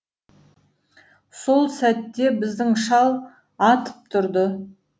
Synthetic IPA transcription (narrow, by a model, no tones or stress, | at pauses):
so̞lˠsæt̪ːe̞bɪzd̪ɪŋʃɑlˠ | ɑt̪ə̥p̚t̪ʰʊɾd̪ə